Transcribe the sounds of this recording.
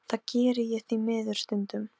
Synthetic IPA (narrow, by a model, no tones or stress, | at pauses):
θaðcɛːɾɪjɛθimɪːðʏɾ̥st̪ʏnt̪ʏm